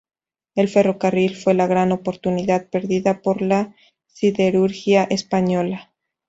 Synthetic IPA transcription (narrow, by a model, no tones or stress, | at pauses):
e̞lfe̞ro̞karilfwe̞laɣɾano̞po̞ɾt̪uniðaðpe̞ɾðiðapo̞ɾla | siðe̞ɾuɾxjaʔe̞spaɲo̞la